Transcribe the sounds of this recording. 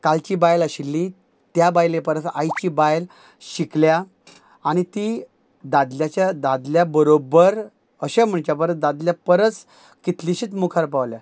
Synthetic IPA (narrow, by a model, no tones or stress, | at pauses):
kalt͡ɕiːbajləɕilːi | t̪jabajlepəɾət̪a̰jt͡ɕibajl | ɕiklja | añit̪i | d̪ad̪ljat͡ɕad̪ad̪ljabəɾobəɾ | əɕam̤əɳt͡ɕjap̬əɾəd̪ad̪ljapəɾət͡s | kit̪liɕiːt̪mukʰaɾpaʋlja